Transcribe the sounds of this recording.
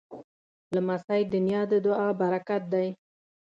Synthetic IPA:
lamasajd̪ʊnjɑd̪əd̪ʊɑbaɾakat̪̚d̪aj

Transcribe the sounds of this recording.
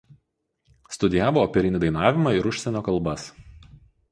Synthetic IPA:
st̪ʊd̪ʲɪjæːʋoːpʲɛɾʲɪnʲɪd̪ɐɪnɑːʋʲɪmɑːˑɪɾʊʃʲsʲɛnʲoːkɐlˠˑbɐs

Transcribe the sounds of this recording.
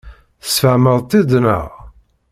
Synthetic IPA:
θəsfəʕməðˤt̪ˤid̪nə̰ʁ

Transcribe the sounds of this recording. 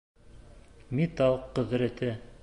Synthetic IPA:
mit̪ɑlˠqːɵ̆ðɾæ̆t̪ɘ

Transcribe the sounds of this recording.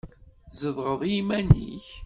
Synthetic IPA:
zəðʁəðˤmænḭç

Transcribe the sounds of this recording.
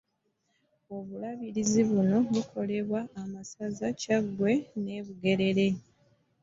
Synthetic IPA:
o̞βulaβiɾiziβuno̞βukʰo̞le̞βwaʔːmasazacaɡwe̞ne̞ːβuɡe̞ɾe̞ɾe̞

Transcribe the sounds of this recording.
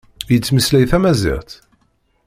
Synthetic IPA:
jət͡sːməslæjθæmæzḭʁt̪

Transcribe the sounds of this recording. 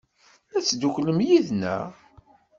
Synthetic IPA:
æt͡sːd̪uçləmjiðnæ̰

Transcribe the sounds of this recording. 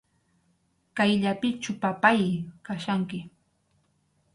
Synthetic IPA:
kajʎapɪt͡ʃʊpapajkaʃaŋkɪ

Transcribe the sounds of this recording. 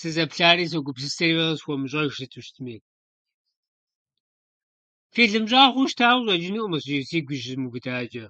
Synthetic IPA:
sɨzɐpɬaːɾiːs̬ɐɡʷʊpsɨstɐwɐʁɐsxʷɔmɨɕ̬ʼɐʃɨtʰɨʃtʰmiː | feːɮɨmɕʼaːχʷʊʃtʰaːwʷɕʼɐd͡ʒɪniʔʷʼʊmɐɕʼʒɪsiːɡʷʊʒɪmuɡʊdaːd͡ʒɐ

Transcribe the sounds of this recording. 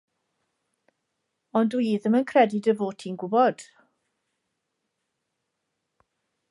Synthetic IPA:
ɔndwiːðəmənkʰrɛdɪdəvoːtʰinɡʊbɔd̥

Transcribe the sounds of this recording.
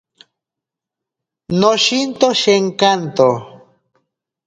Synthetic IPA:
noʃint̪oʃeŋkant̪o

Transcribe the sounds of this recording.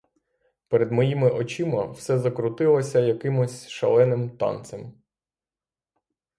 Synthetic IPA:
pɛɾed̪mɔjimɪʔɔt͡ʃimɐwsɛzɐkɾʊt̪ɪlˠɔsʲɐjɐkɪmʊsʲʃɐ̰lˠɛnɪmt̪ɑ̰nt̪sem

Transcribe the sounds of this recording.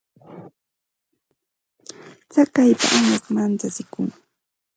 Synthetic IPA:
t͡sakajpa̰ʔamaχmant͡ʃat͡sɪkʊŋ

